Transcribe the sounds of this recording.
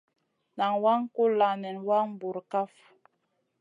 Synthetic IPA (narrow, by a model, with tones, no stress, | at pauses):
na˨ŋwa˦ŋ˦ko˦la˨nɛ˨nwa˦ŋm˦bu˨ɾka˦f